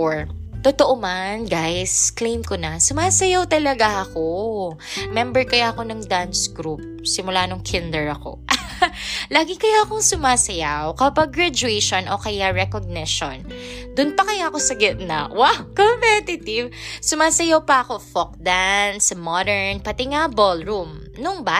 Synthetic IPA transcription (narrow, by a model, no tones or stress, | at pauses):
ɹt̪ot̪oʔomanɡajsklejmkonɐsʊmaːsɐjawt̪ɐlɐɡaʔɐko | mɛmbɛɹkɐjaɐko̞nɐŋd̪ansɡɾup̚ | sɪmʊlanoŋkʰɪnd̪ɛɹɐko̞̰ | laːɡɪkɐjaɐkoŋsʊmaːsɐjawkɐpɐɡɹad͡ʒʊɛjʃonʔokɐjaɹɛkoɡ̚nɪʃo̰n | d̪ʊnpɐkɐjaʔɐko̞sɐɡɛt̪̚nɐ̰wawkompɛt̪ɪt̪ɪvsʊmaːsɐjawpɐɐko̞fok̚d̪ansmɔd̪ɛɹnpɐt̪ɪŋabolɹum | nʊŋba